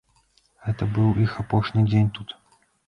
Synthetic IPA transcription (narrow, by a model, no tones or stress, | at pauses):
ɛt̪əbɨlˠixɐpoʂnʲɨjdʲenʲt̪ut̪